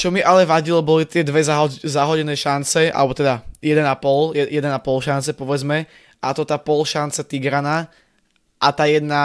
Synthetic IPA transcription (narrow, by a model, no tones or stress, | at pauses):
t͡ʃɔmiʔalɛʋaɟilɔbɔlit̪ɪɛd̪ʋɛzaɦɔzaɦɔɟɛnɛːʃant͡sɛa̰lɛbɔt̪ɛd̪ajɛd̪ɛnapɔljɛjɛd̪ɛnapɔlʃant͡sɛpɔʋɛd͡zmɛ | ʔat̪ɔt̪aːpɔlʃant͡sɛt̪iɡɾanaː | ʔat̪aːjɛd̪na